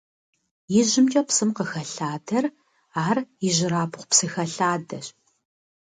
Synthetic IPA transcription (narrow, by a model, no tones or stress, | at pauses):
jɪʑɪmt͡ʃʼɐpsɨmqəxɐɬaːdɐr | aːriʑɪɾaːpʰʊχʷpsɨxɐɬaːdɐɕ